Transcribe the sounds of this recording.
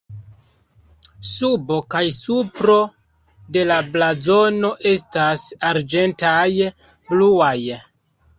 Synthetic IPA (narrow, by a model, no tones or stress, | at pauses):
subo̞kajsupɾo̞ | de̞lablazo̞no̞ʔe̞s̬tasaɾd͡ʒe̞ntaj | bluaj